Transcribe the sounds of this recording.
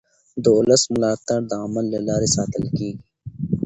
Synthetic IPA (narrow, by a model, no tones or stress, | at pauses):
d̪oːlɐsmʊlaːt̪aɾd̪aːmɐlːɐlaːɾisaːt̪ɪlkiːɡ